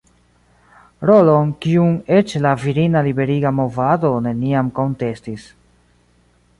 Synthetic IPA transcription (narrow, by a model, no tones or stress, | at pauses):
ɾo̞lonkiuŋe̞t͡ʃlaviɾinalibe̞ɾiɡamo̞vado̞ne̞niamko̞nte̞stis